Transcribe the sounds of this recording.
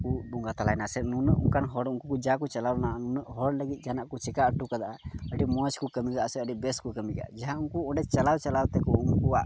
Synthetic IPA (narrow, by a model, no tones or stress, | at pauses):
kubuŋɡat̪alajnasɛnunəʔṵŋkanɦɔɽunkukud͡ʒakut͡ʃalawnaʔanunəʔɦɔɽləɡit̪̚ˀd͡ʒanaʔkut͡ʃɛkaəʈːukad̪aʔaəʈimɔt͡ʃkukəmiɡaʔsɛəɖibɛskukəmiɡa̰d͡ʒɛɦãunkuɔ̃ɳɖɛt͡ʃɐlawt͡ʃalawt̪ɛkuunkuaʔ